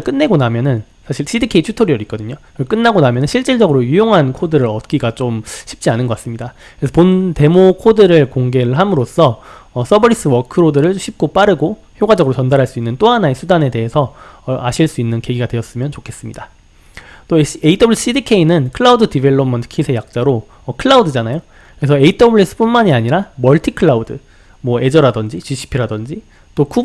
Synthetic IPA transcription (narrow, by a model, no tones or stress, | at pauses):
ɭk͈ɯnːe̞ɡonamjʌnɯn | sʰaɕʰiɭɕ͈idikʰe̞it͡ɕʰutʰʌɾiʌɾik͈ʌdɯɲokɯk͈ɯnːaɡonamjʌnɯnɕʰiɭt͡ɕ͈iɭd͡ʑʌɡɯɾojujoŋɦankʰodɯɾɯɾʌt̚k͈iɡat͡ɕomɕʰi̥p̚t͡ɕ͈ianɯnɡʌk͈as͈ɯmɲidakɯɾesʰʌponte̞mokʰodɯɾɯɭkoŋɡe̞ɾɦamɯɾos͈ʰʌːs͈ʰʌbʌɾis͈ɯwʌkʰɯɾodɯɾɯɭɕʰip̚k͈op͈aɾɯɡo | çjoɡad͡ʑʌɡɯɾot͡ɕʌndaɾɦaɭs͈uinːɯnt͈oɦanaesʰudane̞te̞ɦesʰʌaɕʰiɭs͈uinːɯnke̞ɡiɡadweʌs͈ɯmjʌnt͡ɕokʰe̞s͈ɯmɲida | t͈oeitʰʌbɯɭisɕ͈idikʰe̞inɯnkʰɯɭaudɯdibe̞ɭːomːʌntʰɯ̥kʰisʰe̞jak̚t͡ɕ͈aɾo | ʌkʰɯɭːaudɯd͡ʑanajo | kɯɾesʰʌe̞itʰʌbuɭis͈ɯ̥p͈unmaɲiaɲiɾamʌɭtʰikʰɯɭːaudɯ | mwʌe̞d͡ʑʌɾadʌnd͡ʑit͡ɕiɕʰi̥pʰiɾadʌnd͡ʑi | t͈oku